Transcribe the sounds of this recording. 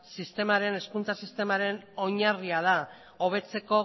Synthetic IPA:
sist̪e̞maɾe̞ne̞skunt͡sasist̪e̞maɾe̞no̞ɲariað̞a | oβ̞e̞t͡se̞ko̞

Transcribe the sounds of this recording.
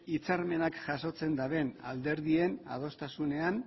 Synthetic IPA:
it͡saɾme̞nakʝaso̞t͡se̞nd̪aβe̞na̰ld̪e̞ɾðie̞na̰ð̞o̞st̪asune̞an

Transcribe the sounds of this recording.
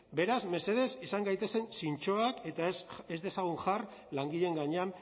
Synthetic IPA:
be̞ɾazme̞se̞ð̞e̞sisaŋɡajt̪e̞se̞nsint͡ʃo̞ake̞t̪ae̞zd̪e̞saɣ̞uŋʝar | laŋɡiʎe̞ŋɡaɲeam

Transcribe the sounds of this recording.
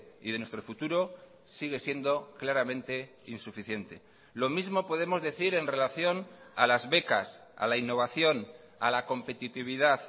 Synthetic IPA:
ḭðe̞nwe̞st̪ɾo̞fut̪uɾo̞ | siɣ̞e̞sje̞nd̪o̞klaɾamẽ̞nt̪e̞ | insufiθje̞nt̪e̞ | lo̞mizmo̞po̞ð̞e̞mo̞zðe̞θiɾe̞nre̞laθjo̞nalazβe̞kas | a̰lainːo̞β̞aθjo̞n | a̰lako̞mpe̞t̪it̪iβ̞iðað

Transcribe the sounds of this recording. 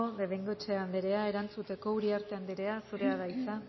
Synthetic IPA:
oðe̞βeŋɡot͡ʃe̞and̪eɾe̞ae̞ɾant͡sut̪e̞ko̞uɾiaɾt̪e̞and̪eɾe̞asuɾe̞aðajt͡sa

